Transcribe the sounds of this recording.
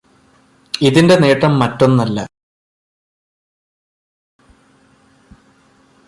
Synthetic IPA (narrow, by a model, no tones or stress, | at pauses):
iðinde̞ne̞ːʈrɐmːɐtːo̞nːɐlːɐ